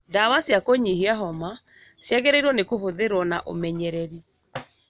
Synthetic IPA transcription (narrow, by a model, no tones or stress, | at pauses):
dawasjakoɲiɦiaɦɔma | sjɛɣɛɾeɾwɔnekoɦoðeɾwɔnaʔo̰mɛɲɛɾɛɾi